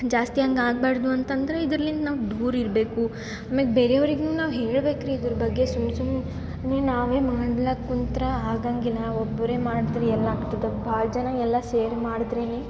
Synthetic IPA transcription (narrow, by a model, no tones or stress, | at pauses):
d͡ʒaːst̪iɐŋɡaːɡbaːɽɐd̪uɐnt̪ɐnd̪ɐɾeid̪ɾɐlːind̪ɐnaːʋd̪uːɾiɾbe̞ːku | amɐɡbeɾeɐʋɐɾiɡnuːnaːʋɦe̞ːɭbe̞ːkɐɾiːd̪ɐɾɐbɐɡːe̞sumsum | ninaːʋeːmaːɽlɐkːunt̪ɐɾɐaːɡaːŋɡilːɐobːɐɾeːmaːɽid̪ɾeɛlːɐaːɡt̪id̪ɐbʱaːɭd͡ʒɐnɐɛlːɐseːɾmaːɽid̪ɾeni